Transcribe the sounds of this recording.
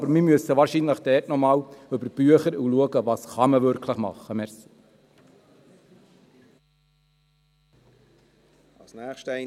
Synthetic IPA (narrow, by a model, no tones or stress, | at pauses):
bəɾmimyøəsːəʋɑːɾʃinləχd̥ɛːtnɔmɑːwɵbəɾb̥yəχəɾuluəɡəʋɑːsχɑməʋøɾkʰləχmɑ̰χːəmɛɾsi̥ | ɑsnæːχʃtɛ